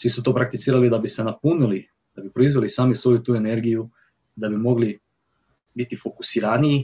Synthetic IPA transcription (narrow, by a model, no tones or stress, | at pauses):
sʋisut̪o̞ːpɾakt̪it̪siːɾalid̪abisenapunili | d̪abipɾoizʋelisaːmisʋo̞jut̪uːeneɾɡiju | d̪abimo̞ɡli | bit̪ifo̞ku̥siɾanii